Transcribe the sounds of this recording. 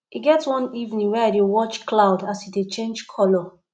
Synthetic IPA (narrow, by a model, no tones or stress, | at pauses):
iɡɛtwɔ̃nivnĩŋweadewɔt͡ʃklaʊdasidet͡ʃẽnd͡ʒkʰɔlɔ